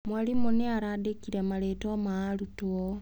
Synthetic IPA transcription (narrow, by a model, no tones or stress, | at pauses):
mwalimoneaɾadekiɾemaletomaalutuo